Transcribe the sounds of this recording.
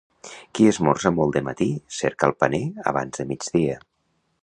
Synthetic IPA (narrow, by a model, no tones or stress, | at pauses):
kiəzmɔrzəmɔlˠd̪əmə̰t̪isɛɾkəlˠpəneə̰β̞a̰nzðəmid͡ʒðiə